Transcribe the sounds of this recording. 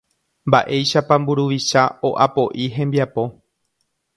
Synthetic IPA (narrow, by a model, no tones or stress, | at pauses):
mbaʔe̞jʃapãmbuɾuʋiʃao̞ʔapo̞ʔiɦẽ̞mbiapo̞